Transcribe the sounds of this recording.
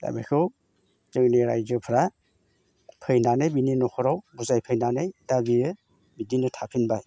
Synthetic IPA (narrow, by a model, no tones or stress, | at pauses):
da̰ba̰jkʰɯw | t͡ʃɯŋneɾajzɯpʰɾa | pʰɯjnanejbininɔkʰɔɾawbuzajpʰɯjnanejdabiɯ | bidinɯtʰapʰinbaj